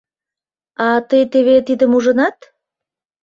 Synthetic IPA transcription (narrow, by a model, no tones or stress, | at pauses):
ɑt̪əjt̪eβet̪id̪əmuʒənɑt̪